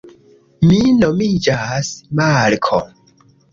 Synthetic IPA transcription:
minomid͡ʒasmalkʰo̰

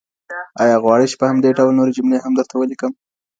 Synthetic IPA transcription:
ɑjɑɣwɑɽəjt͡ʃe̥pəhamd̪eɖawlnoɾed͡ʒʊmnehamd̪əɾt̪ʰawəlikəm

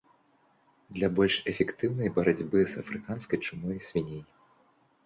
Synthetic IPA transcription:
d̪lʲɐbɔlʲʂɛfʲɛkt̪ɨwnɐjbɐɾad͡zʲbɨzɐfɾɨkanskɐjt͡ʂɨmɔjsʲvʲinʲej

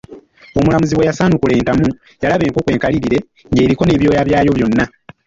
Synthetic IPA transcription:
o̞mulamuziwejasaːnukule̞ːntamu | jalaβe̞ːŋko̞kwe̞ːŋkaliɾiɾe̞ | ŋɡe̞ːɾiko̞ne̞ːβjo̞ːjaβjaːjo̞βjo̞nːa

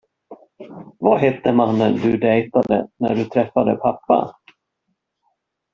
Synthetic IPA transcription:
vaɦɛt̪ːəmanːənd̪ɵd̪ɛjt̪ad̪ə̰næ̰ɖɵt̪ʰɾɛfːad̪əpʰapːa̰

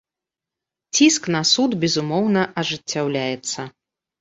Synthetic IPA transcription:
t͡sʲisknɐsud̪bʲɛzumɔwnɐʔɐʐɨt͡sʲːawlʲajɛt̪sɐ

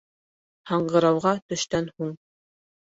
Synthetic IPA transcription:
hɑɴɢɤ̆ɾɑwʁɑt̪ɵ̆ʃt̪ænhuɴ

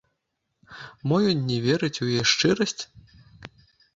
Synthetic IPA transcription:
mɔjɔnʲːɛvʲɛɾɨt͡sʲujjɛʂt͡ʂɨɾɐsʲt͡sʲ

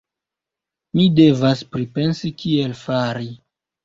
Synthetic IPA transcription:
mide̞vaspɾipe̞nsikielfaɾi

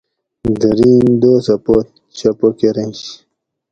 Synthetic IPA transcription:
d̪əɾiːnd̪oːsɐpot̪ | ɕɐpokeɾenɕ

